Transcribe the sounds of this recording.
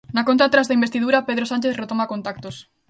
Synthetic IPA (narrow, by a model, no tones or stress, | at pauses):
nakont̪at̪ɾazðaimbest̪iðuɾapeð̞ɾosant͡ʃeθret̪omakont̪ak̚t̪os